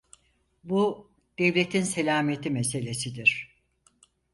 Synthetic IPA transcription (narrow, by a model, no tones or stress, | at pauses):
bu | d̪̥evlʲe̞t̪ʰinse̞lʲaːmijet̪ʰimes̬e̞lʲe̞sid̪iɾ̥